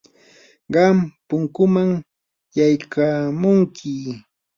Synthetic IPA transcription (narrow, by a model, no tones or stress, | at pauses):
ɢɑmpʊŋkʊmaŋ | jajkamʊŋkʰɪ